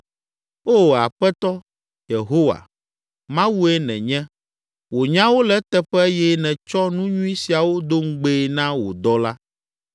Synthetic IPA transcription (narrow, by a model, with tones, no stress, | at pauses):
o˦˨a˨ɸɛ˦t̪ɔ˦ | je˨ɦo˦wa̰˨ | mã˦wu˦e˦nɛ̰̃˨ɲɛ̃˦ | wo˨ɲã˦wo˦lɛ˦t̪ɛ˦ɸɛ˦jɛ˦nɛ̃˨t͡ʃɔ˦nũ˦ɲũ˦i˦si˨a˨wo˦d̪o˦ŋ̩˦ɡ͡be˦˨nã˦wo̰˨d̪ɔ˦la˦